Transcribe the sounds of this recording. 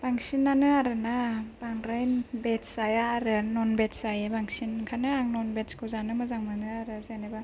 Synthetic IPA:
b̥aŋsinːanɯaɾɯnab̥aŋɾajbetsajaːɾɯnɔnbet̚sajɯbaŋsinkʰanɯaŋnɔnbetskʰɯzanɯmɯzaŋmanɯaɾɯzaneba

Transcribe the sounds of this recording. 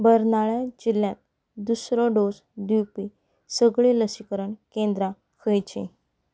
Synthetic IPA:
bəɾnaɭad͡ʑiljãt̪̚ | d̪usɾɔɖos | d̪iwpi | səɡɭeləsikəɾəɳkẽnd̪ɾã | kʰəjt͡ɕḛ̃

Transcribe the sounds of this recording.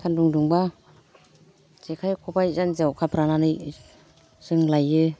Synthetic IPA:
tʰanduŋduŋba | zekʰajkʰɔpajzanzawkʰapʰɾananɯj | zɯŋlajɯ

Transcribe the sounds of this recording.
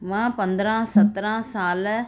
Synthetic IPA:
mãːpɐnd̪ɾãːsɐt̪ːɐɾãːsaːlɐ

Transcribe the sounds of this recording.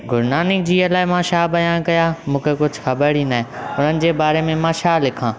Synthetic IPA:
ɡʱʊɾnaːnɪkd͡ʑiːɐlaːɪmãːʃaːbɐjãːkɐjamũːkʰekʊd͡ʑʱʊxɐbəɽ̤iːnd̪aːɦẽʊn̤ənɪ̆d͡ʑeːbaːɾemẽmãːʃaːlːɪkʰãː

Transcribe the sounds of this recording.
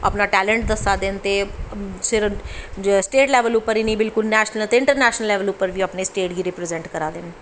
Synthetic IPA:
ɐ̰pnaʈɛːlẽɳʈ̚d̪ɐsad̪ent̪esɪɾ | sʈeːʈlɛːʋəluːpəɾinĩbɪlkʊlnɛːʃnəlt̪eɪ̃ɳʈəɾnɛːʃnəlːɛːʋəlupːəɾbʱiɐpnesʈeːʈɡiɾɪpɾezẽɳʈkɐɾad̪en

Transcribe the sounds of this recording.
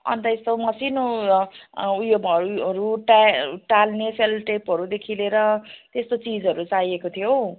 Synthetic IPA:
ʌ̰nt̪ʌest̪omʌsino | ujobʌɾʌɾuʈaʈalneselʈepɦʌɾud̪ekʰileɾʌt̪est̪ot͡sid͡zʌɾut͡saiekot̪ʰijo

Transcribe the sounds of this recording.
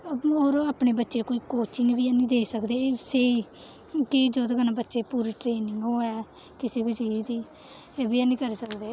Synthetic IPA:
oːɾaːpneːbətːʃeːkoːiːkoːt͡ʃɪŋɡʋiːɛːnĩːd̪eːsəkd̪eːseːiː | kɪd͡ʒoːd̪əɡənãːbətːʃeːpuːɾiːʈɾeːnɪŋɡɦoːɛː | kɪseːbəd͡ʒəiːd̪iː | eːbiːɛːnĩːkəɾiːsəkd̪eː

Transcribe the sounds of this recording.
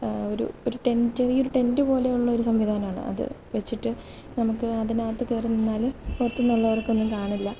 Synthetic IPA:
o̞ɾṵoɾuʈe̞nderioɾuʈe̞ndɨpo̞ːle̞juɭːɐo̞ɾusɐmʋid̪ʱaːnɐmaːɳɨ̰ʔɐ̰ðɨ̰ | ʋet͡ɕːiʈːɨ | nɐmukːɨɐðinaːt̪ːɨkeːrunːenːaːlupurɐt̪ːunːuɭːɐʋɐrkːo̞nːumkaːɳilːɐ

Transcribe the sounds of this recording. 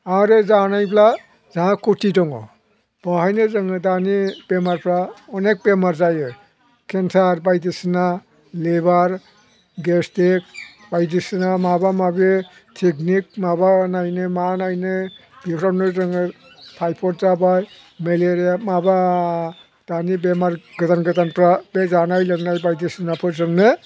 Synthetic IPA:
aɾezanajpʰla | zaɦãkutidɔŋɔ̰ | b̥ɔɦajnɯzɯŋɯdanipemaɾpʰɾaɔnek̚pemaɾzajɯ | kʰensʰaɾbajdisna | lebaɾ | ɡestek̚ | b̥ajdisnamabamabe | tʰiknik̚mabanajnɯmanajnɯb̥ipʰɾanɯɾɯŋɯ | tʰajpʰɔɾ̚zabaj | meleɾijamaba | d̥anibemaɾɡɯtanɡɯtanpɾabezanajlɯŋnajbajdisinapʰɯɾzɯŋnɯ

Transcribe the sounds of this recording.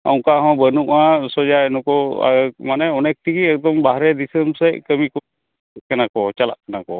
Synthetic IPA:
a̰w̃ŋkaɦɔ̃bənuʔãsɔd͡ʒaɛnɔkɔ̰manɛɔnɛk̚t̪ʰikiɛk̚d̪ɔmbaɦɾɛd̪isəmsɛkəmikɔ | kanakɔt͡ʃala̰ʔkanakɔ

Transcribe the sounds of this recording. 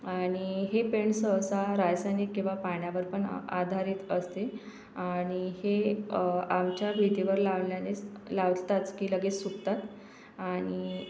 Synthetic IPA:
aɽ̃iɦepeɳsəwsaɾajsanikkːĩw̃ʋapaɳjaʋəɾpəɳa̰d̪ʱaɾiːt̪əst̪e | aɽ̃ihe | amt͡ɕjabʱit̪iʋəɾlaʋljalelaʋd͡zt̪at͡skiːləɡet͡ssːukt̪at̪ | aɽ̃i

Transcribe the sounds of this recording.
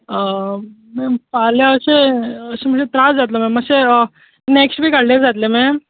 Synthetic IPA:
ə | mɛ̃paljaəseəsem̤əɳɕet̪ɾasd͡zat̪lomɛ̃məse | neksʈbʱiːkaɽleɾd͡zat̪lemɛ̃

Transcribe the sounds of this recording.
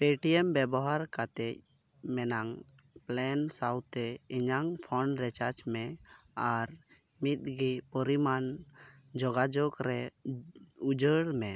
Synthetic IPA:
peʈiɛmbɛbɔɦaɾkat̪ɛc̚ | mɛnaŋ | plɛnsawt̪ɛiɲaŋpʰɔɳɖɾɛt͡ʃat͡ʃmɛ | aɾ | mit̪̚ɡipɔɾiman | d͡ʒɔɡad͡ʒɔkɾɛ | ud͡ʒəɽmɛ

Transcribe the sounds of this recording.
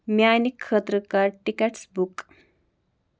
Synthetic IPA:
mjaːnikʰːət̪ɾəkaːɾʈikeʈsbuk

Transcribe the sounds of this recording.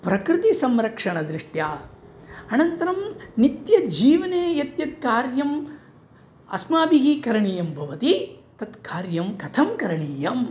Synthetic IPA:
pɾɐkɾɪt̪isɐmɾɐkʂɐɳɐd̪ɾɪʂʈjaː | ɐnɐnt̪ɐɾɐmnit̪jɐd͡ʒiːʋɐneːjɐt̪jɐt̪̚kaːɾjɐm | ɐ̰smaːbiɦikɐɾɐɳiːjɐmbʱɐʋɐt̪it̪ɐt̪kaːɾjɐmkɐt̪ʰɐmkɐɾɐɳiːjɐm

